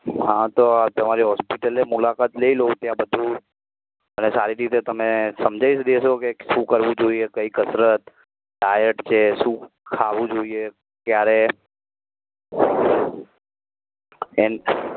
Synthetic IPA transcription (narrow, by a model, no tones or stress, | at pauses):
ɦãt̪oat̪əmaɾiɦɔspiʈəlemulakat̪leilot̪jãbəd̪ʱũ | ənesaɾiɾit̪et̪əmesəmd͡ʒʱaiʃd̪eʃokeʃũkəɾʋũd͡ʒoiekəikəsɾət̪ | ɖajəʈt͡ʃʰeʃũ | kʰaʋũd͡ʒoie | kjaɾe | en